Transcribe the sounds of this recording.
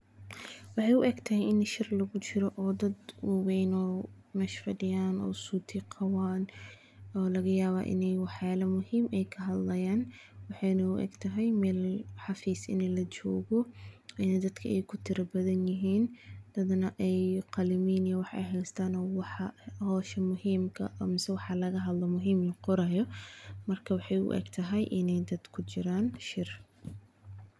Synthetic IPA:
wɑħɑjʊʔɛɡt̪ʰɐɦɛjɪnʃɪrlɐɣʊt͡ʃɪɾɔʔɔːd̪ɐd̪wɐwɛjnɔː | mɛʃfɐɖɪjaːnɔ̰ːsuːt̪ʰɪqʰɑwaːn | ɔːlɐɣɐjaːβa̰ːʔɪ̰nɛjwɑħjaːlɐmʊhiːmɛjkʰɐɦɐd̪lɐjaːn | wɑħɑjnɐʊ̰ʔɛ̰ɡt̪ʰɐɦɛjmɛːlħɑfiːsɪ̰nɛjlɐt͡ʃɔːɣɔɪnɛd̪ɐd̪kʰɐɛjkʰʊt̪ʰɪɾɐbɐðɐnjɪɦiːnd̪̥ɐd̪nɐʔɛjqɑlɪmiːnijwɑħɛ̰jɦɛjst̪ʰaːnɔːwɑħɑhɔːʃɐmʊhiːmkʰɐ̰ʔɔmɪsɛwɑħɑlɐɣɐɦɐd̪lɔmʊɦiːmlɐqʊɾɐjɔmɐrkʰɐwɑħɑjʊ̰ʔɛ̰ɡt̪ʰɐɦɛjʔɪnɛjd̪ɐd̪kʰʊt͡ʃɪɾaːnʃɪr

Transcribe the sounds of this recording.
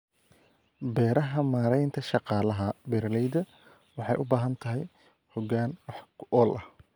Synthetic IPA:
bɛːɾɐɦɐmaːɾɛjnt̪ʰɐʃɑqɑːlɐɦɐbɛrlɛjd̪ɐ | wɑħɑ̰jʔʊbaːɦɐnt̪ʰɐɦɛ̰j | hɔɡaːnwɑħkʰʔɔːlʔɐh

